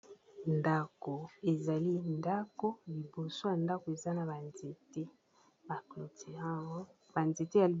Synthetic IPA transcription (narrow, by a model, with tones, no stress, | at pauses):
nda˨ko˨e˨za˨li˦nda˦ko˦li˨bo˨so˦ja˨nda˦ko˨e˨za˦na˨ba˨nze˨te˦ | ba˨ki˨te˨a˦ɡɔ˦ | ba˨nze˨te˦ja˨˦